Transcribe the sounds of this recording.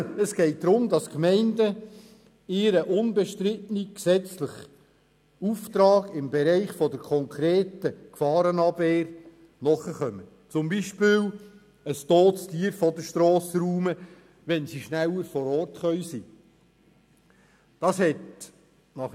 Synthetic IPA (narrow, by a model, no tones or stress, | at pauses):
əsɡ̥ɛɪt̚d̥̪ɾʊmdɑskmɛɪndə | ɪːɾəʔʊnbɛʃtɾɪtniksɛt͡slɪχ | uft̪ɾɑːɡɪmbɛɾɛɪχfɔdəɾkʰɔŋkʰɾeːtəkfɑːɾənɑbveːɾ | nɔχəχœmə | t͡sʊmbiʃpɪːl | əstoːtstiːəɾfɔdəʃtɾoːsəɾuːmə | ʋɛnsiʃnæləɾfɔɾɔrtχœʏsi | d̥ɑshɛt | nɑχ